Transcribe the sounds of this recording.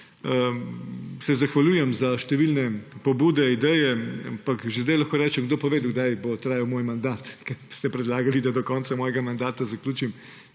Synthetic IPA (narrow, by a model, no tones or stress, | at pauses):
sɛzɐxʋalʲjuːjɛmzaʃt̪ɛʋilnɛpobuːd̪ɛid̪ɛjɛa̰mpakʒezd̪ajlaxkoːɾɛːt͡ʃɛmɡ̚d̪oːpɔʋeːd̪uɡd̪ajbot̪ɾaːjawmoːjmand̪aːt̪kɛɾst̪ɛpɾɛd̪laːɡɐlid̪ad̪ɔkɔnt̪samɔːjɛɡamand̪aːt̪azɐklʲuːt͡ʃim